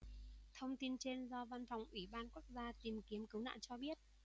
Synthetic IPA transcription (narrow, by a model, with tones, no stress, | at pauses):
t̪ʰə˧wŋ͡mt̪i˧nt͡ɕe˧nzɔ˧va˧nfa˨˩wŋ͡mʔwi˧˩ɓaː˧nku˦˥ək̚zaː˧t̪i˨˩mki˨˦əmkɨ˨˦wna̰ː˧˨wt͡ɕɔ˧ɓi˦˥ət̚